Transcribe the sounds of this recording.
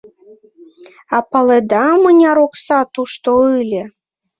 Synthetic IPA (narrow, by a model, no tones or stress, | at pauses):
ɑpɑled̪ɑmɨnʲɑɾoksɑt̪uʃt̪oɯlʲĕ